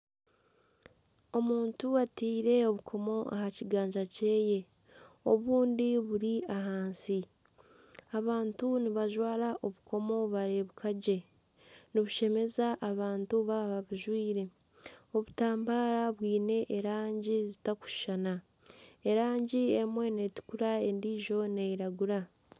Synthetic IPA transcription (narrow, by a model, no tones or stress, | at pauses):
o̞muːntuatiːɾe̞o̞βukʰo̞mo̞ʔa̰haciɡaːɲd͡ʒace̞ːje̞ | o̞βuːndiβuɾiaɦaːnsi | aβaːntuniβaʒwaːɾaʔo̞βukʰo̞mo̞βaɾeβukʰaɟe̞ | niβuʃe̞me̞zaʔːβaːntuβaβaβuʒwiːɾe̞ | o̞βutaːmbaːɾaβwiːne̞ʔːɾaːɲɟizitaku̥ʃi̥ʃana | e̞ɾaːɲɟiemwe̞ne̞ti̥kuɾae̞ndiːʒo̞ne̞iɾaɡuɾa